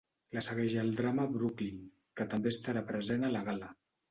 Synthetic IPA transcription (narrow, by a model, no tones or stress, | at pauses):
ləsəɣɛʒaːlˠd̪ɾaməβɾuklin | kət̪əmbeːst̪aɾapɾəzenalaɣalə